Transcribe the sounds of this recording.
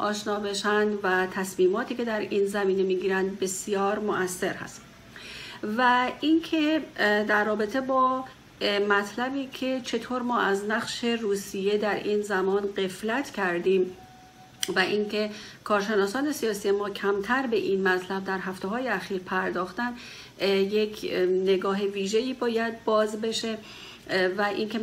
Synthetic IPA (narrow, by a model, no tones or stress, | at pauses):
ʔɒːʃnɒːbe̞ʃænd̪væt̪ʰæsmiːmɒːt̪ʰiːcʰe̞d̪æɾiːnzæmiːne̞miːɡiːɾænd̪̚be̞sijɒːɾmoʔæsːe̞ɾhæ̰s | væinkʰed̪æɾːɒːbe̞t̪ʰe̞bɒː | mæt̪ʰlæbiːcʰe̞t͡ʃʰe̞t̪ʰoːɾmɒːʔæznæɣʃe̞ruːsije̞d̪æɾʔiːnzæmɒːnɢe̞flæt̪ʰcʰæɾd̪iːm | væʔiːŋcʰe̞kʰɒːɾʃe̞nɒːsɒːne̞sijɒːsijemɒːcʰæmt̪ʰæɾbe̞ʔinmæt̪ʰlæb̚d̪æɾɦæft̪e̞ɦɒːjeæxiːɾpʰæɾd̪ɒːxt̪æn | jekʰne̞ɡɒːɦeviːʒejiːbɒːjæd̪̚bɒːzbe̞ʃe̞ | væʔinkʰe